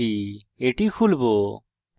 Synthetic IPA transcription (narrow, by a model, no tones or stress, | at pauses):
i | eʈikʰulbo